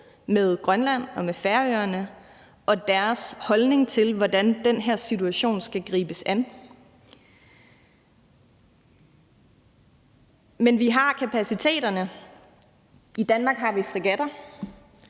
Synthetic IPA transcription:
með̞ˠɡ̥ʁɶnlæn̰ɒ̽mefæɐøɐnə | ʔɒ̽d̥æɐshɒ̽lne̝ŋt͡sʰe̝lʋɒdænd̥enɦæɐ̰sit͡sʰuæɕo̝̰ːnsɡ̥æɡ̥ʁḭːb̥əsæn | menʋiɦɑ̈kʰæpʰæsit͡sʰe̝̰ːd̥ɐnə | id̥ænmɑ̈ːɡ̥ɦɑ̈ʋifʁiɡ̥æd̥ɐ

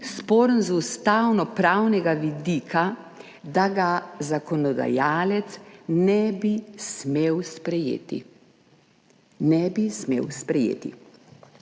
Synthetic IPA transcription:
spɔːɾənzust̪awnɔpɾawnɛɡaʋid̪iːkʰa | d̪aɡazakɔnɔd̪a̰jaːlɛt̪snɛbismewspɾɛjḛt̪ḭ | nɛbismḛːwspɾɛjḛːt̪ḭ

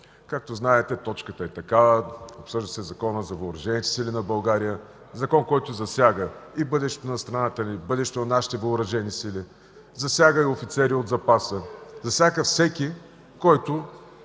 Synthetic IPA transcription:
kak̚t̪oznaɛt̪ɛt̪ɔt͡ʃkət̪əɛt̪ɐkavəopsɤʒd̪ɐsɛzɐkɔnəzɐvəʊɾɐʒɛnit̪ɛ̥silinɐbɐlˠɡaɾijə | zɐkɔnkɔjt̪ʊzɐsʲjaɡəibɤd̪ɛʃt̪ɛt̪onɐst̪ɾɐnat̪ənibɤd̪ɛʃt̪onɐnaʃi̥t̪ɛvəʊɾɐʒɛnisili | zɐsʲjaɡəiofit̪sɛɾiod̪zɐpasəzɐsʲaɡəfsɛkʲi | kɔjt̪ʊ

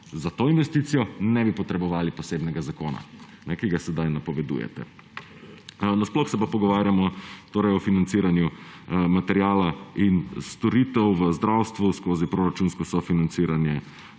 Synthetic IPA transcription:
zat̪oːinʋɛst̪iːt̪sijɔnɛbipɔt̪ɾɛbɔʋaːlipɔseːbnɛɡazakoːna̰ | nɛkiɡasɛd̪ajnapɔʋɛd̪ṵjɛ̰t̪ɛ̰ | nasplɔxsɛpapɔɡɔʋaːɾjamɔt̪oːɾɐjɔfinant̪siːɾanjumat̪ɛɾjaːlainst̪ɔɾit̪ɛwʋəzd̪ɾawst̪ʋuskoːzipɾoːɾat͡ʃunskɔsɔfinant̪siːɾanjɛ

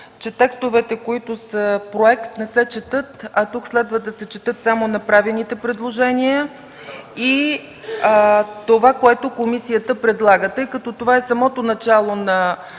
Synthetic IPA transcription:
t͡ʃɛt̪ɛkst̪ovɛt̪ɛkoit̪ʊsəpɾoɛkt̪nɛsɛt͡ʃɛt̪ɤt̪ɐt̪ukslɛd̪vəd̪ɐsɛt͡ʃɛt̪ɤt̪samonɐpɾavilˠnit̪ɛpɾɛd̪lˠoʒɛniə | i | t̪ovakoɛt̪okomisijət̪əpɾɛd̪lˠaɡət̪ɤjkɐt̪ɔt̪ovaɛsɐmɔt̪onɐt͡ʃalˠonɐ

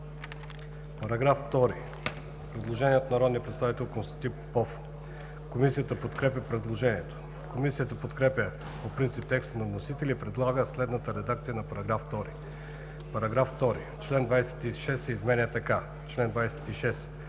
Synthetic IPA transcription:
pɐɾɐɡɾaft̪ɔɾi | pɾɛd̪lˠoʒɛniɛt̪onɐɾɔd̪niəpɾɛt̪st̪avit̪ɛlˠkonst̪ɐt̪i | pɔf | komisijət̪əpot̪kɾɛpʲəpɾɛd̪lˠoʒɛniɛt̪o̥ | komisijət̪əpot̪kɾɛpʲə | popɾint̪sip̚t̪ɛkst̪ənɐvnosit̪ɛlʲipɾɛd̪lˠaɡəslɛd̪nət̪əɾɛd̪ak̚t̪sijənɐpɐɾɐɡɾaft̪ɔɾḭ | pɐɾɐɡɾaft̪ɔɾḭ | t͡ʃlɛnd̪vajsɛ̥t̪iʃɛsːɛizmɛnʲiət̪ɐka | t͡ʃlɛnd̪vajsɛ̥t̪iʃɛs

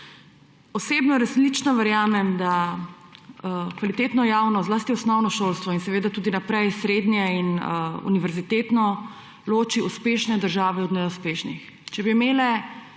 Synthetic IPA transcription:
ɔseːbnɔɾaslit͡ʃnɔʋɛɾjaːmɛmd̪a | kʋalit̪eːt̪nɔjaːwnɔzlaːst̪iɔsnɔwnɔʃoːlst̪ʋɔinsɛʋeːd̪at̪uːd̪inapɾɛjsɾed̪njɛinṵniʋɛɾzit̪eːt̪nɔ | loːt͡ʃiuspeʃnɛd̪əɾʒaːʋɛɔd̪nɛuspeːʃnḭx | t͡ʃɛbimeːlɛ

